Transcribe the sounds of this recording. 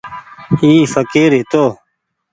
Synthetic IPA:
iːfəkiːɾet̪oː

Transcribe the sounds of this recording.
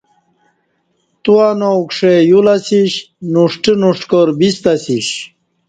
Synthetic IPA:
t̪uanokʂejulasiɕ | nuʂʈinuʂʈkoɾbist̪asiɕ

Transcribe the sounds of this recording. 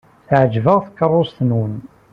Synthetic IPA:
θʕəd͡ʒvəʁθə̥kːərˤːʊst̪ənwən

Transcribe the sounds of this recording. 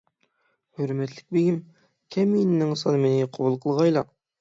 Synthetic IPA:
høɾmɛt̪lɪk̚ʲbeɡʲim | kʲʰɛminnɪŋsɑnɨmenɪqʰobulˠqʰəlˠʁɑjlˠɑ

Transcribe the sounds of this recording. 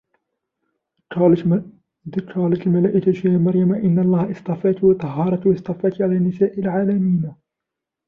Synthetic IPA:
d̪kʰɑːlɑt̪lmalaːʔɪkaʃaːxmɑɾˤjamaʔɪnːalˤːɑːhʔɪst̪ɑfaːt̪wɑt̪ˤːɑɦɑːɾˤɑt̪wɑst̪ɑfaːt̪ʕalaːnːɪsaːʔɪlʕaːlamiːn

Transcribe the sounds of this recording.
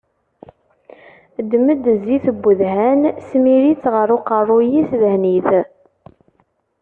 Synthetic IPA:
d̪məd̪zːiθəbːəðhænsmiɾit͡sʁəɾˤoqərˤːʊjisðəhniθ

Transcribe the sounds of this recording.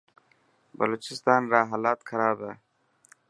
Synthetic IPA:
bɐloːt͡ʃɪst̪ɑːnɾɑːɦalɑːt̪kaɾɑːɾd̪a

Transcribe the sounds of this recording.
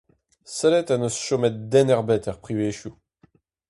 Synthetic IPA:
sɛlɛt̪anosʃɔmɛt̪̚d̪ɛnɛʁbɛt̪ɛʁpχiveːʃu

